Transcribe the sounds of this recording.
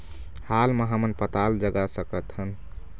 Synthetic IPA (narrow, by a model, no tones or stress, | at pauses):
halməɦamənpət̪ald͡ʒəɡasəkət̪ɦən